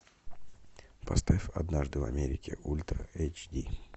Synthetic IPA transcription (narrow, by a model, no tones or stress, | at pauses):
pɐst̪aifɐ̰d̪naʐd̪ɨvɐ̰mʲeɾʲɪkʲɪ̰ʔulʲt̪ɾəejt͡ɕd̪ʲi